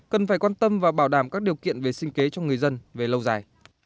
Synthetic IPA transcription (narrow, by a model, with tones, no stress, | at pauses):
kə˨˩nfaː˧˩jkwaː˧nt̪ə˧mvaː˨˩ɓaː˧˩wɗaː˧˩mkaː˦˥k̚ɗi˨˩əwkḭ˧˨ənve˨˩sï˧ŋ̟ke˨˦t͡ɕɔ˧ŋɨ˨˩əjzə˧nve˨˩lə˧wzaː˨˩j